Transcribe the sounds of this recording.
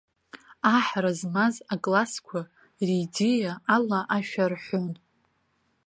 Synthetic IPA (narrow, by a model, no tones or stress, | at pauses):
aħarazmazakʼlaskʷʰa | ridejaːlaʔaʃᶣarħʷon